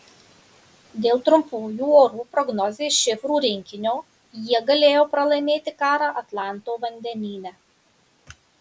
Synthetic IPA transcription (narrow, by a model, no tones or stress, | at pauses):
d̪ʲeːlˠt̪ɾʊmpuːjuːoːɾuːpɾɔɡnɔzʲeːʃʲɪfɾuːɾʲɪŋʲkʲɪnʲoː | jiɛɡɐlʲeːjoːpɾɐlˠɐɪmʲeːt̪ʲɪkɑːɾɑːʔɐt̪lˠɑˑnt̪oːʋɐnʲd̪ʲɛnʲiːnʲɛ